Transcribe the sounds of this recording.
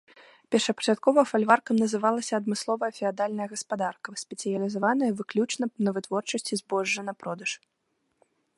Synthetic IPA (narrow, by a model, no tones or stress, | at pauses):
pʲɛrʂɐpɐ̥t͡ʂat̪kɔvɐfalʲvarkɐmnɐzɨvalˠɐsʲɐɐd̪mɨslˠɔvɐjɐfʲɛad̪alʲnɐjɐɣɐspad̪arkɐsʲpʲɛt̪sɨjɐlʲizavanɐjɐvɨklʲut͡ʂnɐnɐvɨt̪vɔrt͡ʂɐsʲt͡sʲizʲbɔʐːɐnɐpɾɔd̪ɐʂ